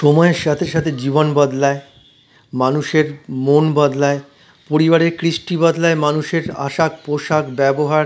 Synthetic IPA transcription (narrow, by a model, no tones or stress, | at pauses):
ʃɔmɔeɾʃat̪ʰeɾʃat̪ʰed͡ʑibonbad̪lae | manuʃeɾmonbad̪lae | poɾibaɾeɾkɾiʃʈibad̪laemanuʃeɾa̰ʃak̚poʃakbɛboɦaɾ